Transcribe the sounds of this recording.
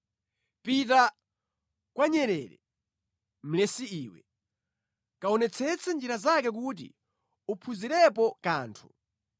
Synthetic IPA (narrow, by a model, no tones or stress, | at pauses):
pit̬a | kwaɲɛɾɛːɾɛ̰ | m̩lɛsiiːwɛ̰ | kaɔnɛt͡sʰɛt͡sʰɛnd͡ʒiɾazakɛk̬ut̬ḭ | upʰuziɾɛpɔkaːntʰu̥